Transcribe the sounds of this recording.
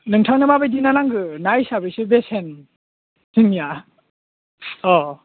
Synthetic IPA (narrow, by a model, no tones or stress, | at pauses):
nɯŋtʰawnɯmabajdinanaŋɡɯnajsabɯsɯbesen | siŋija | ɔ